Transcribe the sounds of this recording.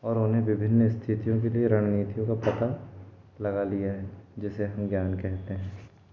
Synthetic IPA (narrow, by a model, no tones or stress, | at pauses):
ɔːɾoːnɦẽʋɪbʱɪnːɪst̪ʰɪt̪ijõkelieɾaɳ̃niːt̪ijõkapɐt̪a | lɐɡalijaɦɛ̃d͡ʒɪseɦɐmɡjaːnkɛɦt̪eɦɛ̃ː